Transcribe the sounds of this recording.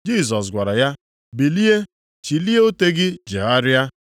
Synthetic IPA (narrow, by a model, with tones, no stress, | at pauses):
d͡ʒi˦˨s̬ɔ˨s̬ɡʷa˨ɾa˨ja˦ | bi˨li˦e˦ | t͡ʃi˨li˦e˦o˦te˦ɡɪ˦d͡ʒḛ˨a˦ɾɪ˦a˦